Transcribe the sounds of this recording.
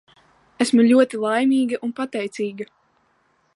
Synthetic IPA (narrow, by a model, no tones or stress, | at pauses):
æsmulʲuɔt̪ilˠajmʲiːɡɐʔunpat̪ɛjt̪siːɡɐ